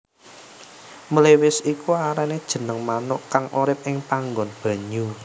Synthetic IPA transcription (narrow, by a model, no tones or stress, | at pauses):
mulewɪsikuaɾaned̥ʒ̥ə̤nəŋmanʊʔkaŋʔuɾɪp̚ɪŋpaŋɡɔnb̥a̤ɲu